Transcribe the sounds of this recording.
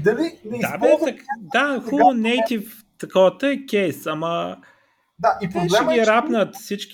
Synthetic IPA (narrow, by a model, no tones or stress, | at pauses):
d̪ɐlinɛt̪abiɐkd̪axunɛjt̪if | t̪ɐkɔvət̪əɛkʲɛjsɐmə | d̪aʔipɾlt͡ʃɛɡiɾapnət̪fsit͡ʃk